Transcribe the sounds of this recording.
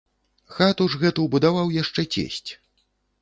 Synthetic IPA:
xat̪uʐɣɛt̪uwbud̪avawjaʂt͡ʂɛt͡sʲḛsʲt͡sʲ

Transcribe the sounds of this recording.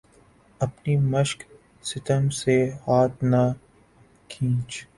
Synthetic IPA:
ɐpnimɐʃk | sɪt̪əmsehaːt̪na | kʰĩːt͡ʃ

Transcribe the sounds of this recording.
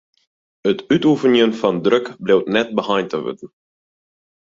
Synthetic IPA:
ətytufənjənfɔndrøkblewtnɛt̚bəhajntəʋø̰tən̩

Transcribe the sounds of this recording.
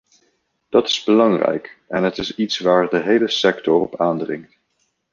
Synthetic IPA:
d̥ɑtɪ̥zbəlɑŋrɛ̰jkɛnɦətɪsitsʋaːɹdəɦejləsɛktɔɹɔ̰paːndrɪŋkt

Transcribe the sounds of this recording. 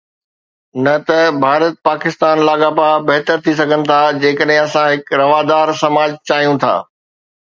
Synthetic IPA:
nɐt̪ɐbʱaːɾət̪̚paːkɪst̪aːnlaːɠaːpabɐɦt̪əɾt̪ʰis̬ɐɡʱənɪ̆t̪ʰaːd͡ʑeːkəɗɦẽɐsãɦɪkɾɐʋaːd̪aːɾsɐmaːd͡ʑt͡ɕaːɦijũt̪ʰa̰ː

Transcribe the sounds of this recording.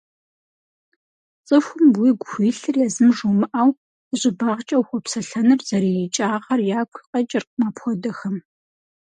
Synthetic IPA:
t͡sʼɨxʷʊmwiːɡʷʊxʷiːɬɨrjaːzɨmʒomɨʔaːw | ʑʼɪbaːʁt͡ʃʼɐwxʷɔpsɐɬɐnɨrzɐɾiːjit͡ʃʼaːʁɐrjaːkʷʰqʼɐt͡ʃʼɪrqmaːpxʷɔdɐxɐm

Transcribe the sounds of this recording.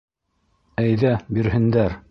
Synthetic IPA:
æjðæbiɾɦɘ̆nd̪æɾ

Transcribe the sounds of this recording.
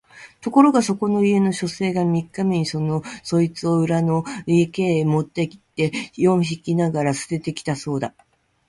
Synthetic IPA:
t̪o̞ko̞ɾo̞ɡaso̞ko̞no̞ie̞no̞ɕo̞se̞ːɡamʲikːame̞ɲ̟iso̞no̞so̞it͡sɨo̞ɯ̟ɾano̞ieke̞ːmo̞t̪ːe̞kʲi̥t̪ːe̞jõ̞ɰ̃çikʲinaɡaɾasɨ̥d̪e̞t̪e̞kʲi̥t̪aso̞ːd̪a

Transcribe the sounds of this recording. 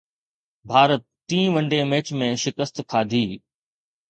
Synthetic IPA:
bʱaːɾət̪̚ːĩːʋə̃ɳɖeːmeːt͡ʃmẽʃɪkəst̪kʰaːd̪ʱiː

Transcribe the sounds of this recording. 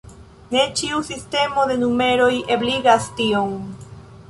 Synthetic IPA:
ne̞t͡ʃiusiste̞mo̞d̪e̞nume̞ɾo̞jebliɡastio̞ŋ

